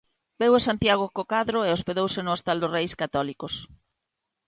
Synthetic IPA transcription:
bewesant̪jaɣ̞okokaðɾoeospeðowsɪnʊest̪ald̪ʊsrejskat̪ɔlikʊs

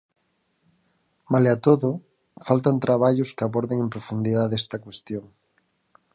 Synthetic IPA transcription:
maleat̪oðʊ | falt̪ant̪ɾaβ̞aʎoskɪaβoɾðeŋempɾofund̪iðaðest̪akwest̪joŋ

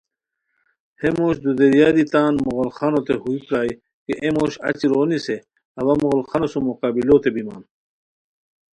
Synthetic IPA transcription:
hemoːɕd̪ud̪eɾjaːd̪it̪aːnmoɣolxanot̪eɦuikɾaːj | keʔemoːɕɐ̰t͡ɕiɾoːnise | ɐwɐmuɣolxanosumoqaːbilot̪ebima̰ːn

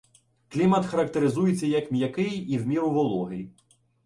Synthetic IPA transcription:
klʲimɐt̪xɐɾɐkt̪eɾɪzujet͡sʲːɐjɐkmʲjɐkɪjiwmʲiɾʊʋɔlˠɔɦɪj

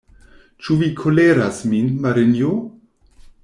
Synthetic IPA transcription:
t͡ʃuvikʰoleɾasminmaɾɪnjo

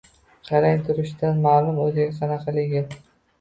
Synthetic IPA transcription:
qʰɑɾajt̪ʰʊɾɪʃd̪anmaːlˠʊmɵzɪɡʲaqʰɑnɑqʰɑlɪɡʲɪn

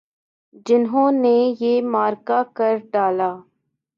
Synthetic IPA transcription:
d͡ʒɪnɦõːnejeːmaːɾkakɐɾɖaːlaː

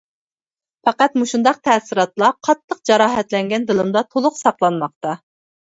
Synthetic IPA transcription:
fɑqɑt̪muʃund̪ɑq̚t̪ʰɛːsɨɾɑt̪lˠɑqʰɑt̪ʰːəq̚d͡ʒɑɾɑːɦɛt̪lɛŋɡʲɛnd̪ɨlˠɨmd̪ɑt̪ʰolˠʊqsɑqlˠɑnmɑq̚t̪ɑ

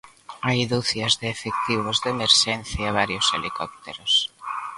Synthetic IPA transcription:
ajðuθjazðeːfek̚t̪iβ̞ozðemeɾʃenθjaaβ̞aɾjoselikɔp̚t̪eɾos

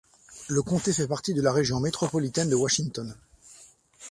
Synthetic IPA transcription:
ləkɔ̃t̪efɛpaʁt̪id̪əlaʁeʒjɔ̃met̪χɔpɔlit̪ɛnd̪əwaʃiŋt̪ɔn

